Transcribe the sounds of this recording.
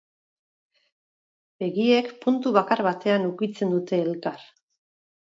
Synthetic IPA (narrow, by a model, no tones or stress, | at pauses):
be̞ɣie̞kpunt̪uβakaɾβat̪e̞anukit͡se̞nd̪ut̪e̞ːlkar